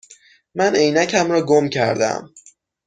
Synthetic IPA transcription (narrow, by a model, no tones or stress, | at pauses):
mæne̞jnæcʰæmɾɒːɡomcʰæ̰ɾd̪æ̰m